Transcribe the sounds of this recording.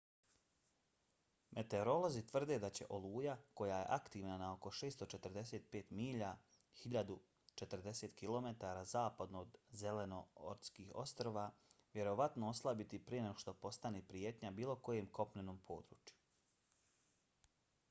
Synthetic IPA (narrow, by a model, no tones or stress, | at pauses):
mʔe̞t̪e̞oɾo̞lo̞zit̪ʋr̩d̪e̞d̪at͡ɕe̞̰ʔo̞luːjako̞jaje̞̰ʔakt̪iːʋnanao̞ko̞ʃe̞ːst̪o̞t͡ʃe̞t̪rd̪e̞se̞ːt̪̚peːt̪miːʎa | hiʎad̪u | t͡ʃe̞t̪r̩d̪e̞se̞ːt̪kilo̞me̞t̪aɾaːzaːpad̪noːd̪zele̞no̞o̰ɾt̪skiːxo̞̰st̪ɾoʋaʋʲje̞ɾo̞ʋat̪noo̞slˠabit̪ipɾieneoʃt̪o̞po̞st̪aneːpɾijet̪ɲabiːlˠo̞ko̞jemko̞pneno̞ːmpʰo̞ːd̪ɾṵːt͡ʃju̥